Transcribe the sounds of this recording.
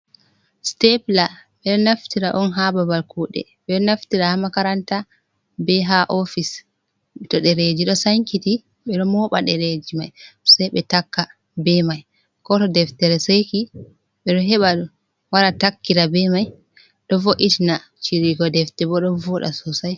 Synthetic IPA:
stɛplaɓɛɗɔnaftiɾaʔɔnɦababalkuɗɛ̰ɓɛɗɔnaftiɾahamakaɾanta | bɛɦaʔɔfis | tɔɗɛɾed͡ʒiɗɔsaŋkiti | ɓɛɗɔmɔɓa̰ɗɛɾed͡ʒimajsajɓɛtakːa | bɛmaj | kɔtɔdɛftɛɾɛsajki | ɓɛɗɔɦɛɓaɗu | waɾatakːiɾabɛmaj | ɗɔvoʔitina | t͡ʃiɾiɡɔdɛftɛbɔɗɔnvɔɗa̰sɔsaj

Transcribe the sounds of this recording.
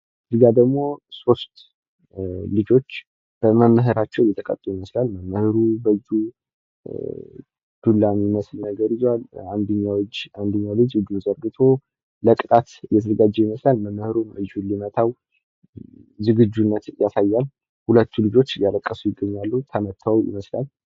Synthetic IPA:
ɨziɡad̪əɡmo̞so̞st̪ | lɨd͡ʒo̞t͡ʃː | b̥əməmːəɦɨɾat͡ʃːɛwjɛt̪ʰːəkʼə̰t̪ʼːujiməslalməmːəhɨɾubəd͡ʒu | d̪̥ulːamiməslnəɡəɾizaland̪əɲːawd͡ʒand̪əɲːawlɨd͡ʒɨd͡ʒuzəɾɡɨt̪ʰo̞ː | əkʼɨt̪ʼat̪ɨjɛt̪ʰəzəɡad͡ʒːɛjiməslalməmːəhɨɾuməd͡ʒulimət̪ʰaw | zɨɡɨd͡ʒːunːət̪jasajːal | hulət̪ːulɨd͡ʒo̞t͡ʃːɨljaləkʼːəsujɪɡːəɲːalːut̪ʰəmət̪ʰːawjɪ̰məsla̰l

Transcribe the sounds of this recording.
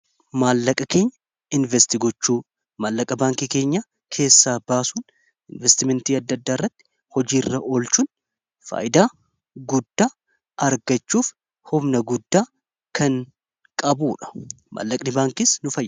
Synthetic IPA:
maːlːɐkʼɐke̞ːɲːɐ | ɪnvɛst̪iɡɔt͡ʃːuː | maːlːɐkʼɐbaːŋkiːke̞ːɲːa | kʰe̞ːsːaːbaːsuːn | ɪnvɛst̪ɪmɛnt̪iːɐd̪ːɐd̪ːaːrːɐt̪ːɪ̥ | hɔd͡ʒiːrːɐʔo̞ːlt͡ʃuːn | fa̰ːjɪd̪aː | ɡʊd̪ːaː | ɐɾɡɐt͡ʃːuːf | hʊbnɐɡʊd̪ːaː | kʰɐŋ | kʼɐbuːᶑɐ̥ | ma̰ːlːɐkʼnɪbaːŋkisnʊfɐjː

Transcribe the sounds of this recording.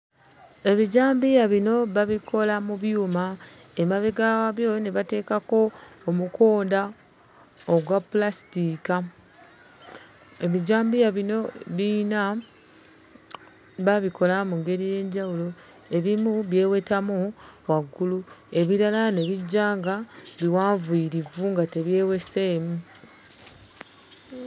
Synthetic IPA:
e̞βiɟaːmbijaβino̞βaβikʰo̞lamuβjuːma | emaβeɡawaβjo̞jneβate̞ːkako̞ːmukʰo̞ːnda | oɡwapulasi̥tika | e̞βiɟaːmbijaβino̞βina | βaβikʰo̞lamuŋɡe̞ɾije̞ːɲɟawulo | e̞βimuβje̞ːwe̞tamuwaɡːulue̞βiɾalane̞βiɟːaːŋɡaβiwaːɱvuiiɾivuŋɡate̞βje̞ːwe̞seːmu

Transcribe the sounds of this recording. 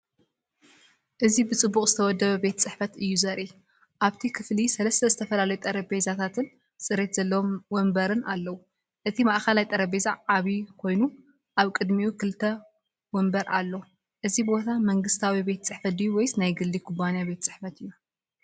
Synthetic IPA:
ʔɨzibɨt͡sʼɨbːuχʼzɨt̪ʰɐwɔd̪ːɐβɐbe̞t̪ʰt͡sʼɨħfɐt̪ɨjːuzɐɾʔi | ʔaβt̪ʰikʰɨflisɐlɐst̪ʰɐzɨt̪ʰɐfɐlalɐjut̪ʼɐɾɐbezat̪ʰat̪ʰɨn | sʼɨɾe̞t̪z̥ɐlːɐwmwɔmbɐɾɨnalːɐwu | ʔɨt̪ʰimaʔkɐlajt̪ʼɐɾɐbezaʕaβikʰo̞jnu | ʔaβkʼɨd̪miukʰɨlt̪ʰɐ | wɔmbɐɾʔalːo | ʔɨzibbo̞t̪ʰamɐŋɡɨst̪ʰawibe̞t̪ʰɐt͡sʼɨħfɐt̪̚dijːuwɔjsnajɡɨlːikʰubanijabe̞t̪ʰɐt͡sʼɨħfɐt̪ɨjːu

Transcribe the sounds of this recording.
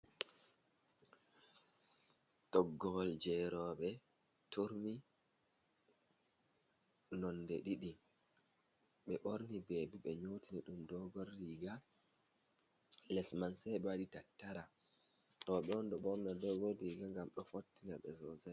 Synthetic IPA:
tɔɡːɔld͡ʒɛɾɔɓɛ | tuɾmi | nɔndɛɗiɗi | ɓɛɓoɾnibeːbiɓɛɲoːtiniɗumdɔɡɔɾːiːɡa | lɛsmansɛɓɛwaɗitatːaɾa | ɗɔɓɛɔndɔɓɔɾnadɔɡɔrːiɡaŋɡamɗɔfotːinaɓɛ̰zɔzɛ

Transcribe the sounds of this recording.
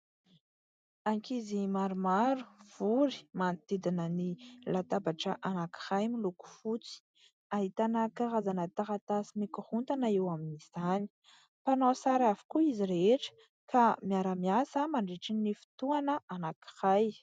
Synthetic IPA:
aŋkizimaɾumaɾu̥v̥uɾi̥mant̪id̪inənilat̪abaʈ͡ʂəʔanaki̥hajmiluku̥fut͡si̥ | aɦit̪anəkaɾazanət̪aɦat̪asimikuhunt̪anaewaminiz̥ani̥ | panosaɾavu̥kuiziɾeʈ͡ʂə̥ | kʰamiaɾəmiasəmaɳɖ͡ʐiʈ͡ʂinnifi̥t̪uanəʔanaki̥haj

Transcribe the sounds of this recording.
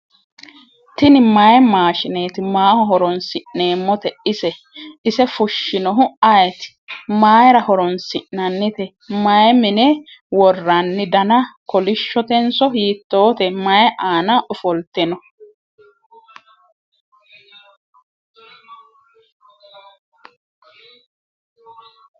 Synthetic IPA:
t̪ɪnɪmɐjɛmaːʃɪneːt̪ɪmaːhɔɦɔɾɔnsɪʔne̞ːmːɔt̪ɛɪsɛ | ɪsɛfʊʃːɪnɔɦʊɐjt̪ɪ̥maːjɾɐhɔɾɔnsɪʔnɐnːɪt̪ɛ | mɐjɛmɪnɛwɔrːɐnːɪd̪ɐnɐkɔlɪʃːɔt̪ɛnsɔɦiːt̪ːo̞ːt̪ɛmɐjɛʔaːnɐʔʊfɔlt̪ːɛnɔ

